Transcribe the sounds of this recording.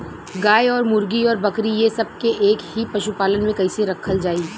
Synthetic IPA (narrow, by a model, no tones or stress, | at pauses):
ɡaːjɔːɾmʊɾɡiɔːɾbɐkɾijesɐb̚keʔeːkhipɐʃupaːlənmẽkɐiseɾɐkʰəld͡ʒaːi